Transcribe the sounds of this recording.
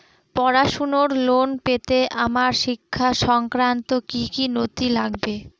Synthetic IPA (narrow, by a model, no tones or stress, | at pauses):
pɔɾaʃonoɾlonpet̪eʔamaɾʃikʰːaʃɔŋkɾant̪okikinot̪ilaɡbe